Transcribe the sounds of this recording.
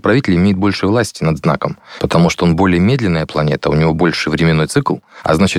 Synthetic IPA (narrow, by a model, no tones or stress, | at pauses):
pɾɐvʲitʲɪlʲəɪmʲejɪt̪̚bo̞lʲʂɨjvlˠasʲtʲɪnɐd̪zna̰kəmpət̪ɐmuʂt̪oonbo̞lʲɪjəmʲe̞d̪lʲɪnːəjəplˠɐnʲe̞t̪əʊnʲɪvo̞bo̞lʲʂɨvɾʲɪmʲɪnːo̞jt̪sɨklˠɐ̰znat͡ɕɪt̪